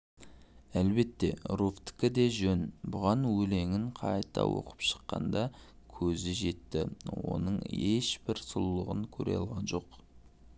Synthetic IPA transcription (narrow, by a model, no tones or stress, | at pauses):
ælbe̞t̪ːe̞̰ɾuft̪ɪ̥kʲɪd̪e̞ʒɵnbʊʁɑnwɵle̞ŋɪŋqʰɑjt̪ɑ̰wo̞̰qə̥pʃə̥qːɑ̰nd̪ɑ | kʲʰɵzɪʒe̞t̪ːɪwo̞̰nəɴeʃbɪɾsʊlːˠəʁəŋkʲʰɵɾe̞̰jɑ̰lˠʁɑnʒo̞q